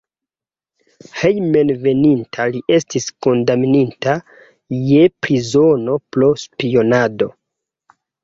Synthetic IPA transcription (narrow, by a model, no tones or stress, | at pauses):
hejmenve̞nintʰaliʔe̞stisko̞ndamininta | je̞pɾizo̞no̞plo̞spio̞nado̞